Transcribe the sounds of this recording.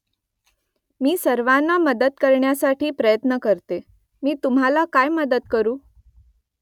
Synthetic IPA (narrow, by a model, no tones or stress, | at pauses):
miːsəɾʋanːaməd̪əd̪kəɾɳjasaʈiːpɾəjət̪nəkəɾt̪e | miːt̪um̤ɦalakajməd̪ət̪kəɾuː